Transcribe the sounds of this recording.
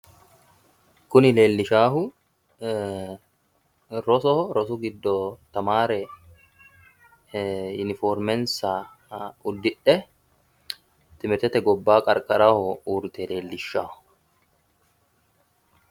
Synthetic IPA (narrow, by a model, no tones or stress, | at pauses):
kʊnɪle̞ːlːɪʃaːɦʊ | ɾɔsɔɾɔsʊɡɪd̪ːɔt̪ɐmaːɾɛ | jʊnɪfɔːɾmɛnsa | ʊd̪ːɪᶑːɛ | t̪ɪmɪɾt̪ɛt̪ɛɡɔbːaːkʼɐɾkʼɐɾahɔuːɾt̪ɛle̞ːlːɪʃːaːhʊ̥